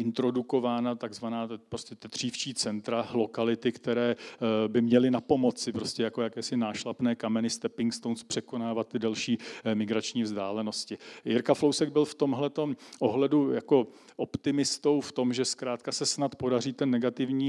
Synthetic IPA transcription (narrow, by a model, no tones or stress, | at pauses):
ʔɪnt̪ɾo̞duko̞vaːnat̪aɡzvanaːpɾoscɛt̪ɛd̪r̝̥iːft͡ʃiːt͡sɛnt̪ɾalo̞kalɪt̪ɪkt̪ɛɾɛːbɪmɲɛlɪnapo̞mo̞t͡sɪpɾo̞scɛjako̞jakɛːsɪnaːʃlapnɛːkamɛnɪst̪ɛpɪŋkst̪ownspr̝̥ɛko̞naːvat̪ːɪdɛlʃiːmɪɡɾat͡ʃɲiːvzdaːlɛno̞scɪjɪɾkaflowsɛɡ̚bɪlft̪o̞mɦlɛt̪o̞mʔoɦlɛdujako̞ | ʔo̞pt̪ɪmɪst̪o̞wft̪o̞mʒɛskɾaːt̪kasɛsnat̪po̞dariːt̪ɛnːɛɡat̪ɪvɲiː